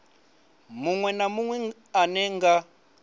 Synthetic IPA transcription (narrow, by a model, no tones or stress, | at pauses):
muŋwɛnamuŋwɛ | anɛŋɡa